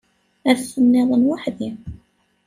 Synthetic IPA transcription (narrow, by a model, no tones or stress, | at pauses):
æɾθənːɪðˤənwaħði